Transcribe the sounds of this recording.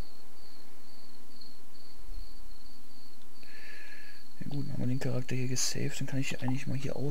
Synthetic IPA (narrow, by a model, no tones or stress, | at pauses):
ja̰ːɡuːtnha̰ːmvɪɐdeːnkʰaʁak̚tɐhiːɐɡəsɛ̰lftd̥ankʰanɪç̥iːʔaɪŋlɪçmaːlɦiːɐʔa̰ʊ